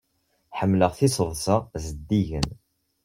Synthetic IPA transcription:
ħəmːləʁθɪsəðˤsəzəd̪ːiʝə̰n

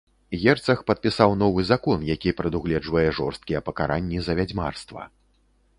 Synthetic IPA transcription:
ɣʲɛrt̪sɐxpɐt̪̚pʲisawn̪ɔvɨzakɔnjakʲipɾɨd̪uɣlʲɛd͡ʐvɐjɛʐɔrst̪̚kʲijɛpɐkaɾanʲːizɐvʲad͡zʲma̰rst̪vɐ̰

